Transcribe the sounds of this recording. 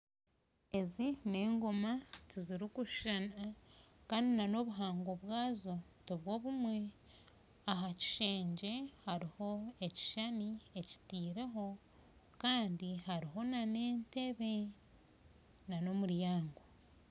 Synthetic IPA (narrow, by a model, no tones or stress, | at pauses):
e̞zine̞ːŋɡomatiziɾikuʃʃanakaːndinano̞βuɦaːŋɡo̞βwaːzo̞ | toβwo̞ːβumwe̞ | aɦaci̥ʃe̞ːɲɟe̞haɾiho̞eci̥ʃanieci̥tiːɾe̞ɦo̞ | kaːndiɦaɾiɦo̞nane̞ːnte̞βe̞ | nano̞muɾjaːŋɡo